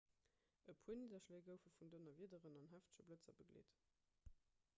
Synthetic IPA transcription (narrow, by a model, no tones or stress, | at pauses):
əpʰuənidɐʃleːɡəʊfəfundonɐviədəʁənɑnɦæftə̥ʃɐblət͡sɐ̰bəɡlḛːt